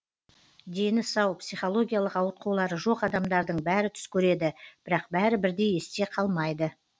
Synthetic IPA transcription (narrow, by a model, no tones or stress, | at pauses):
d̪e̞nɪsɑwpsijχo̞lˠo̞ɡʲijalˠəqɑwət̪̚qʰɑwlˠɑɾəʒo̞qɑd̪ɑmd̪ɑɾd̪əɴbæɾɪt̪ʰʏ̥skʲʰɵɾe̞d̪ɪb̥ɪɾɑqbæɾɪbɪɾd̪e̞jest̪e̞qʰɑlˠmɑjd̪ə